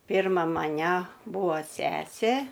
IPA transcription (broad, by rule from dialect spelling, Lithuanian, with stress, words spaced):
ˈpʲiːrmɐ mɐˈnʲæ ˈbuːɐ ˈsʲæːsʲeː